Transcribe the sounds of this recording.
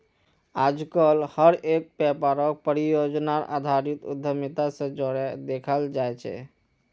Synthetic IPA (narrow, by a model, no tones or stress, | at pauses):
ad͡ʒkəlhəɾek̚bɛpaɾək̚pəɾijod͡ʒnaɾa̰d̪ʱaɾit̪ṵd̪ʱːəmit̪asə̃d͡ʒoɽɛd̪ekʰəld͡ʒajt͡ʃʰɛ̰